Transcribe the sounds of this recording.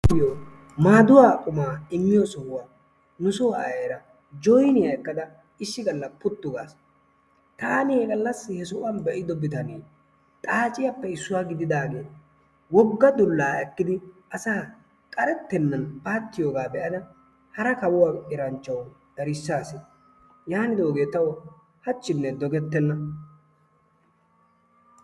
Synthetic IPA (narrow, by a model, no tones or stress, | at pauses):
ɪjo | maːd̪ʊwaːkʼʊmaːɪmːɪjɔsɔhʊwaː | nʊsɔwɐ̰jeːɾɐ | d͡ʒɔjnɪjɐɛkːɐd̪ɐ | ɪʃːɪɡɐlːɐpʊt̪ːʊɡaːs | t̪aːnɪeɡɐlːɐsːɪhɛsʊʔɐnbɛʔɪd̪ɔbɪt̪ɐneː | t̪ʼaːt͡ʃʼɪjapːɛɪsːʊwaːɡɪd̪ɪd̪aːɡe̞ː | wɔɡːɐd̪ʊlːaːɛkːɪd̪ɪʔɐsaː | kʼɐɾɛt̪ːɛnːɐnpaːt̪ːɪjo̞ːɡaːbɛʔɐnɐ | hɐɾɐkɐwʊwaːʔɪɾɐnt͡ʃːɐw | d̪̥ɐɾɪsːaːsɪ | jaːnɪd̪oːɡe̞ːt̪ɐwɔ | hɐt͡ʃːɪnːɛd̪ɔɡɛt̪ːɛnːɐ